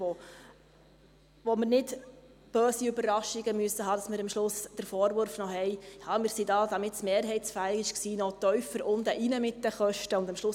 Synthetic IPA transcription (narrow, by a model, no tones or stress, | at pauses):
ʋo | ʋoməɾnɪd | b̥øːsiʏbərːɑʃiɡəmyəsːəɦɑːd̥ɑsmɪɾəmʃlʊsd̥əɾfɔːɾvʊɾfnɔhɛjhɑːmɪːɾsidɑːd̥̪ɑmɪtsmeːɾɦɛɪtsfælɪɪʃksiːnɔt̪œɥfəɾʊnd̪əʔinəmɪt̚d̥əχœʃtəʊndɑmʃlʊ